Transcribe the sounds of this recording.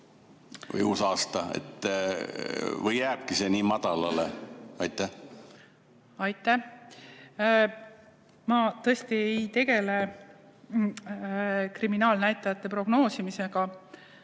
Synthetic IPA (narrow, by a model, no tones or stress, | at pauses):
vɤ̰jusɑːst̪ɑḛt̪ː | vɯjːæːb̥̚kise̞niːmɑd̪̥ɑlɑ̰leɑjt̪ːæh | ɑjt̪ːˑæh | mɑt̪ɤest̪iejt̪e̞ɡe̞le̞ | kriminɑːlnæjt̪ːˑɑjɑt̪ːˑe̞pro̞ɡ̥no̞ːsimise̞ɡ̥ɑ